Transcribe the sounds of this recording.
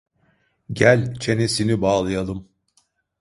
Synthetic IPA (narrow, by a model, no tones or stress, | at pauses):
ɟælʲt͡ʃʰe̞nesinibaːlˠɯjalˠɯm